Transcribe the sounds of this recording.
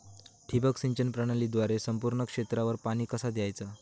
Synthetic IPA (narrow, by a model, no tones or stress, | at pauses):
ʈʰibəksiɲt͡ɕənpɾaɽ̃alid̪ʋaɾesəmpuɾɳəkʂet̪ɾaʋəɾpaɽ̃iːkəsad̪jajt͡sa